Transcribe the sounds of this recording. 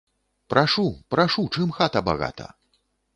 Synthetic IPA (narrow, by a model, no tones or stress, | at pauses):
pɾʔaʂupɾaʂut͡ʂɨmxat̪ɐba̰ɣa̰t̪ʰɐ̰